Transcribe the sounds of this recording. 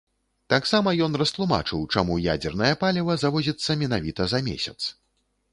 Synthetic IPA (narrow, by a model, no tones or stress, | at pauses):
t̪aksamɐjɔnrɐst̪lˠuma̰t͡ʂɨwt͡ʂamuja̰d͡zʲɛrnɐjɐpalʲɛvɐzavɔzʲit̪sːɐmʲɛnavʲit̪ɐzɐmʲḛsʲɐt̪s